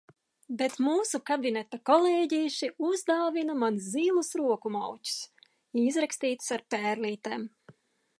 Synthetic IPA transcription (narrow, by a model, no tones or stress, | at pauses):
bet̪muːsukabinɛt̪akɔleːɟiːʃiuzd̪aːvinamanzziːlˠusɾuɔkumawcu̥s | izɾakst̪iːt̪saɾpɛːɾliːt̪eːm